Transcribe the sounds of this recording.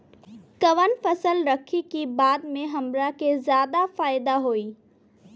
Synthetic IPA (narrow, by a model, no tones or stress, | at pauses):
kɐʋənfɐsəlɾɐkʰikibaːd̪mẽɦɐmɾakezjaːd̪afaːɪd̪aɦoːiː